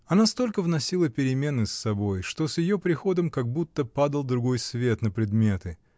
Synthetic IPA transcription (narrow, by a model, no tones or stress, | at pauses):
ɐnast̪o̞lʲkəvnɐsʲilˠəpʲɪɾʲɪmʲe̞nɨsːɐbo̞jʂt̪o̞sjɪjopɾʲɪxo̞d̪əmkɐɡ̚but̪ːəpad̪əlˠd̪ɾʊɡo̞jsvʲe̞t̪nəpɾʲɪd̪mʲe̞t̪ɨ